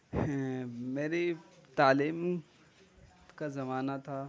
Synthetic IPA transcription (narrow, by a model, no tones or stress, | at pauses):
meːɾet̪aːliːm | kazɐmaːnat̪ʰaː